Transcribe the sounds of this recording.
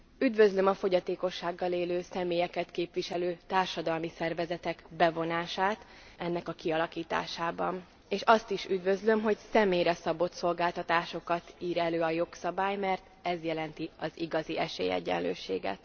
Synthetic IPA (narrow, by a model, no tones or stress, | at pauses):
yd̪vø̞zlø̞mɒfo̞ɟɒt̪eːko̞ʃːaːɡːɒleːløːsɛmeːjɛkɛt̪keːpʋiʃɛløːt̪aːrʃɒd̪ɒlmisɛrvɛzɛt̪ɛɡbɛvo̞naːʃaːt̪ | ɛnːɛkɒkiɒlɒkiːt̪a̰ːʃaːbɒn | eːʃɒst̪iʃyd̪vø̞zlø̞mɦo̞ɟsɛmeːjɾɛsɒbo̞t̪so̞lɡaːlt̪ɒt̪aːʃo̞kɒt̪iːɾɛløːɒjo̞ksɒbaːjmɛrt̪ɛzjɛlɛnt̪iɒziɡɒziɛʃḛːjɛ̰ɟːɛ̰nlø̰ːʃḛːɡɛ̰t̪